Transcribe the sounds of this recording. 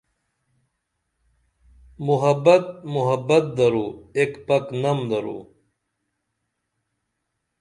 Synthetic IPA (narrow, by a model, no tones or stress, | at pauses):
muɦɐbɐt̪̚muɦɐbɐt̪̚d̪ɐɾuːekpɐknɐmd̪ɐɾṵː